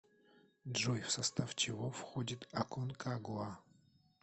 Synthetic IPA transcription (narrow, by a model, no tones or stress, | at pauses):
dʐojfsɐst̪aft͡ʃɪvofxodʲit̪ɐkonkaɡua